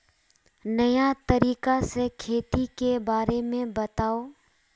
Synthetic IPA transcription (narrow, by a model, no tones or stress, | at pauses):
nɐjat̪ɐɾiːkasekʰeːt̪ikebaːɾemẽbɐt̪aːoː